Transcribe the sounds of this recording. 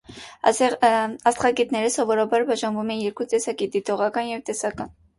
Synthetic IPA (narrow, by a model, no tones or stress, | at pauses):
ɑst̪χɑɡɛt̪nɛɾəsɔvɔɾɑbɑɾbɑʒɑnvumɛnjɛɾkut̪ɛsɑkid̪it̪ɔʁɑkɑnjɛvt̪ɛsɑkɑn